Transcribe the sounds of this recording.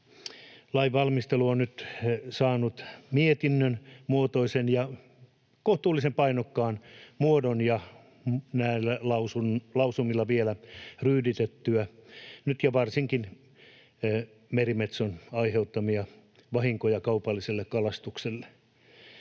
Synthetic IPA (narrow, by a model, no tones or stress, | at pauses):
lɑiʋɑlmist̪eluonnyt̪sɑːnut̪miet̪inːønmuot̪oisenjɑ | koht̪uːlːisempɑinokːɑːnmuodonjɑ | næilːælɑusunlɑusumilːɑʋielæryːdit̪et̪ːyænyt̪jɑʋɑrsiŋkin | merimet̪sonɑiheut̪ːɑmiɑ | ʋɑhiŋkojɑkɑupɑlːiselːekkɑlɑst̪ukselːe̥